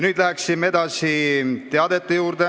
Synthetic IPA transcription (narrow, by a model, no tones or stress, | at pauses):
nyːd̪̥læksimee̞d̪̥ɑsit̪eɑd̪e̞t̪ˑːejuːɾd̪e